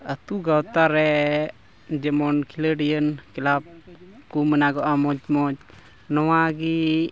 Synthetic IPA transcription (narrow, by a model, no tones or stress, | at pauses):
ət̪uɡawt̪aɾɛ | d͡ʒɛmɔnkʰiləɖijənkilab̚kumənaɡɔʔamɔd͡ʒmɔd͡ʒ | nɔwaɡi